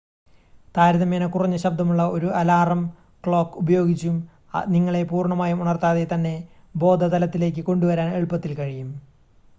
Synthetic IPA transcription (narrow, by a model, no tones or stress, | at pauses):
t̪aːɾɐðɐmeːnɐkːurɐɲːɐɕɐb̚d̪ʱɐmuɭːɐo̞ɾuɐlaːrɐm | kɭo̞ːkːubɐjo̞ːɡit͡ɕːum | niŋːɐɭe̞puːrɳɐmaːjumuɳɐrt̪aːðet̪ɐnːe̞ | bo̞ːd̪ʱɐd̪ɐlɐt̪ːile̞ːk̬ʲːɨko̞ɳɖuʋɐɾaːneɻpːɐt̪ːilkɐɻijum